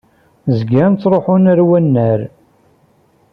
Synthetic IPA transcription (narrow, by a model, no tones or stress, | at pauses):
zɡænt͡s̪ːɾˤoħʊnəɾwænːæɾ